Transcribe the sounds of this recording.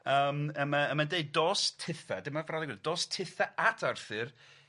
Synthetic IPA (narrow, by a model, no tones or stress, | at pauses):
əːməmaəmandeɨd̚dɔːstʰɪθadɪmavrɔlˠiɡwɪld̥ɔːstʰɪθaatʰarθɨr